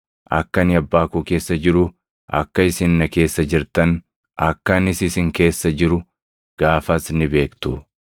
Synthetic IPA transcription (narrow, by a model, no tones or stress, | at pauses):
ʔɐ̰kːɐnɪɐbːaːkuːke̞ːsːɐd͡ʒɪɾʊ | ɐ̰kːɐɪsɪnːɐke̞ːsːɐd͡ʒɪɾt̪ɐn | ɐkːɐnɪsɪsɪŋke̞ːsːɐd͡ʒɪɾʊ | ɡ̥aːfɐsnːɪbe̞ːkt̪ʊ